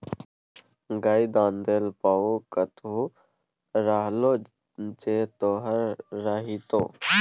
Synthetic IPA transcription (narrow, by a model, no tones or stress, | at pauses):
ɡaːid̪ãːnd̪eːlpaːoːkət̪uː | ɾaːɦloː | d͡ʒeːt̪oːɦəɾːaɦit̪oː